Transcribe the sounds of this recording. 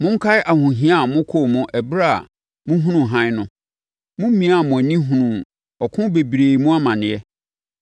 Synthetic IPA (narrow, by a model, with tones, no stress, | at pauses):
mʊ̃˦ŋ̩˦kʰa˦ɪ˦ʔa˨hʊ̃˨ɦĩ˦a˦˨mʊ̃˦kʰo˦˨mʊ̃˦ʔɛ˨bɾa̰˦˨ | mʊ̃˦ɦũ˦nũ˨ɦã˦nʊ̃˦ | mʊ̃˦m˦mĩ˨˦a˨mʊ̃˨æ˨nĩ˦ɦũ˨nũ˨ | ɔ˨kʰʊ̃˦be˨bɾe˨i˨mũ˦a˦mã˨nɪ̃˨jɛ˦